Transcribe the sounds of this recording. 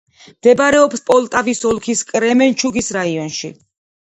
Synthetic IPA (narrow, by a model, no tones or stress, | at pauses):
md̪̥ɛbɾɛɔpspʼɔlˠt̪ʼavisɔlˠkʰiskʼɾɛmɛnt͡ʃʰuɡisɾaiɔnʃḭ